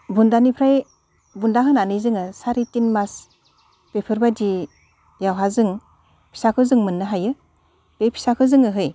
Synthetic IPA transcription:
bundanipʰɾaj | bundaɦɯnanɯjzɯŋɯsaɾitinmas | pepʰɯɾbadi | jawɦazɯŋ | pʰi̥sakʰɯzɯŋmɯnːɯɦajɯ | pepʰi̥sakʰɯzɯŋɯɦɯj

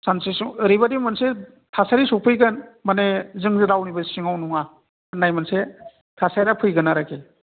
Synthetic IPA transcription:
sansesɾibadimanse | tʰasaɾisuk̚pʰɯjɡɯnmanezɯŋzɯɾawnibasiŋawnuŋa | najmanse | tʰasajɾapʰɯjɡɯnaɾake

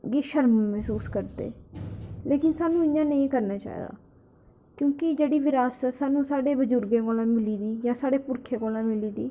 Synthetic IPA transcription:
ɡiːʃəɾmmɛɦsuːskəɾd̪ḛː | leːkɪnsaːnũːɪjãːnəĩːkəɾnaːt͡ʃa̰ːḭːd̪a̰ː | kjõːkɪd͡ʒeːɽiːʋɪɾaːsəsaːnũːsaːɖeːbəd͡ʒʊɾɡẽːkoːlãːmɪliːd̪iːjãːsaːɖeːpʊɾkʰẽːɡoːlãːmɪliːd̪iː

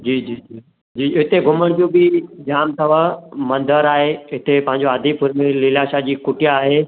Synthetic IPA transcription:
d͡ʑiːd͡ʑiːd͡ʑiː | d͡ʑiːɪt̪eɡʱʊməɽ̃d͡ʑõːbɪd͡ʑaːmt̪ʰɐʋ̤amɐ̃nd̪ʱəɾaːɦeɪt̪ʰepɐ̃ɦɪ̃ɲ̆d͡ʑoaːd̪ʱipʊɾmẽlɪlaːʃad͡ʑiːkʊʈijaːɦeː

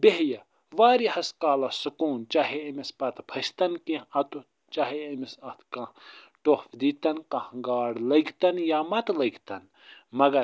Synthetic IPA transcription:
beɦjɐ | ʋaːɾihɐskaːlɐsukuːnt͡ʃaːɦeɐmispɐt̪pʰɐst̪ɐnkĩɐt̪u | t͡ʃaːɦeɐmisɐt̪ʰkã | ʈofd̪iːt̪ɐnkɐ̃hŋɡaːɽlɐɡt̪ɐnjaːmɐt̪lɐɡt̪ɐn | mɐɡɐɾ

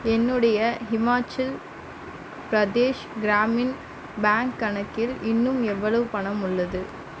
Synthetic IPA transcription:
ɛnːɯɽɐjɐɦɪmaːt͡ʃːɐl | pɪɾɐd̪eːʂɡɪɾaːmɪn | baːŋkːɐɳɐkːɪlɪnːɯmɛʋːɐɭɐʋɯpɐɳɐmʊɭːɐðɯ

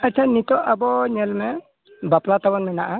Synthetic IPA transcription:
at͡ʃʰanit̪ɔʔabɔɲɛlmɛ | baplat̪abɔnmɛnaʔa

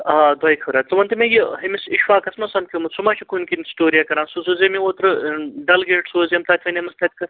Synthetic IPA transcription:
aːd̪wɐjkʰɐɾat͡sɐʋɐnt̪imejiɦɐmisiʃwaːkɐsmɐsɐmkʲimɐsumaːʃʰikʰunʲkʲinʲsʈoːɾijaːkɐɾãːnsusuzemiot̪ɾɨɖɐlɡeːʈsoːzʲemt̪ʰat̪ʰʲʋɐnʲemɐst̪ʰɐt̪ʲkɨ

